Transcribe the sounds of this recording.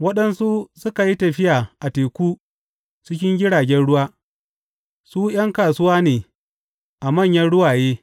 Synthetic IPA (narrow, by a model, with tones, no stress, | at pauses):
wɐ˦ɗɐ˦nsu˦sʊ˦ka˨ji˦tɐ˨ɸɪ˦jaː˨ʔa˨teː˨kʷuː˦ | t͡ʃɪ˦kʲɪ˦ŋɡʲɪ˦ɽaː˨ɡʲɛ˦nɽʊ˦waː˦ | suː˦j̰ɐ˦ŋkaː˨sʊ˦waː˦neː˨ | ʔa˨mɐ˦˨ɲjɐ˦nɽʊ˦waː˨jeː˦